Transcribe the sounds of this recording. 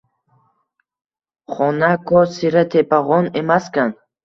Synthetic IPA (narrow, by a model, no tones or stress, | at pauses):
χɔnakʰɔsiɾat̪ʰepʰaʁɔnemaskan